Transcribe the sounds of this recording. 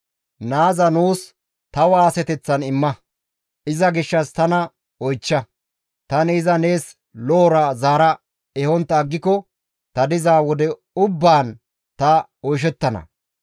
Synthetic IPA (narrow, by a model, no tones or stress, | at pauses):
naːzɐnuːs | t̪ɐwaːsɛt̪ɛt͡sːɐnɪmːɐ | ʔɪzɐɡɪʃːɐst̪ɐnɐ | ɔjt͡ʃːɐ | t̪ɐnɪːzɐne̞ːs | loːɾɐzaːɾɐ | ɛhɔnt̪ːɐːɡːɪkɔ | t̪ɐd̪ɪzaːwɔd̪ɛ | ʊbːaːn | t̪ɐɔjʃ̬ɛt̪ːɐnɐ̰